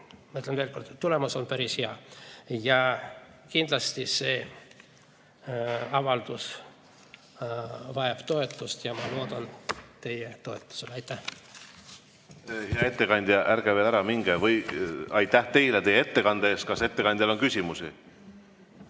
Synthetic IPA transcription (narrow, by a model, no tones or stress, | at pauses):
mɑet̪lenve̞ːlko̞rd̪̥t̪ːule̞muso̞npæɾisheɑjɑkind̪lɑst̪ise̞ː | ɑvɑld̪̥us | vɑjɑb̥t̪o̞e̞t̪ːˑust̪jɑmɑlo̞ːd̪̥ɑnt̪e̞jet̪o̞e̞t̪ˑːu̥selɑjt̪ːˑæh | heɑe̞t̪ːekɑnʲd̪̥ʲjɑʔæɾɡ̥eveːlæɾɑmiŋɡ̥evɤjɑjt̪ːæht̪e̞jlet̪ejːeet̪ːe̞kɑnd̪eːst̪kɑse̞t̪ːekɑnʲd̪̥ʲɑloŋkysʲimusḭ